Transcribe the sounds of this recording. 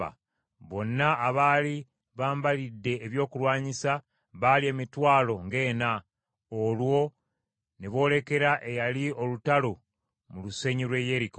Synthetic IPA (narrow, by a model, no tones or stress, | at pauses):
a̰ | βo̞nːaːβaːli | βaːmbalidːe̞ːβjo̞ːkulwaːɲisa | βalie̞mitwaːlo̞ŋɡe̞ːna | olwo̞ | neβo̞ːle̞ke̞ɾaʔe̞jalio̞lutalo̞ | muluse̞ɲilwe̞je̞ɾiko